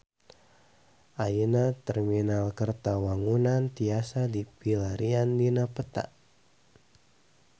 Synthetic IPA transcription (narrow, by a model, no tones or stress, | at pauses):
ʔajinat̪ɛrminalkərt̪awaŋunant̪iasad̪ibilaɾiandinapət̪a̰ʔ